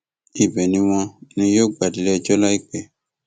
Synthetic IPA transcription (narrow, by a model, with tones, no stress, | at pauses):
i˨bɛ˨nĩ˧w̃ɔ̃˧nĩ˧jo˦ɡ͡ba˨di˨lɛ˦ɛ˧d͡ʒɔ˦la˦i˦k͡pɛ˨